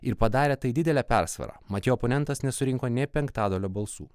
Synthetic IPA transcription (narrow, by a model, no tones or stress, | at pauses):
ɪɾpɐd̪ɑːɾʲeːt̪ɐɪd̪ʲɪd̪ʲɛlʲæːpʲɛɾsʋɐ̰ɾɑ̰ːmɐt̪ʲiɔːpoːnʲɛnt̪ɐsnʲɛsʊɾʲɪŋkoːnʲɛpʲɛŋkt̪ɑːd̪oːlʲoːbɐlˠsṵː